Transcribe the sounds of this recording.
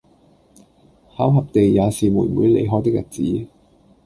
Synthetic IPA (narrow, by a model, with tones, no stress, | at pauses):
haː˨˥wɦɐ˨p̚t̪e˨jːaː˨˧siː˨muː˨˩nmṵː˨˧˥jlḛ˨˧jɦɔː˨˥jt̪̬ɪ˥k̚jɐ̰˨˩t̚t͡siː˨˥